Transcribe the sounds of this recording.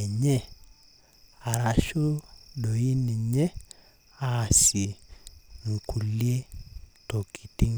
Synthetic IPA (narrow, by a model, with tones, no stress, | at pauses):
ɲɛ˦ | a˨ɾa˨ʃu˦ɗo˨i˦ni˨ɲɛ˦ | a˦˨si˨ | ŋ̩˨kʰu˨li˦e˦to˨ki˨ti˦ŋ